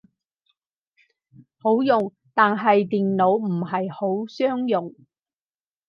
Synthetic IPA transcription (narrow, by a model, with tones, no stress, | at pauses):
ho˨˥wjʊ˨ŋ | t̪aː˨nɦɐ˨jt̪iː˨nlo˨˧wm̩˨˩ɦɐ˨jho˨˥wsœː˥ŋjʊ˨ŋ